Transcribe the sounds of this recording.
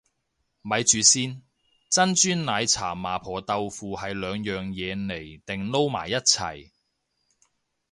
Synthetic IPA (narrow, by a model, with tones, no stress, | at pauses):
mɐ˨˧jt͡ʃyː˨˧siː˥n | t͡sɐ˥nt͡ʃyː˥nnaː˨˧jt͡sʰa̰ː˨˩maː˨˩pʰɔː˨t̪ɐ˧wfuː˨hɐ˨jlœː˨˧ŋjœː˨ŋjɛː˨˧ne˨˩jt̪ɪ˨ŋlo˥wma̰ː˨˩jːɐ˥t̚t͡sʰɐ̰˨˩j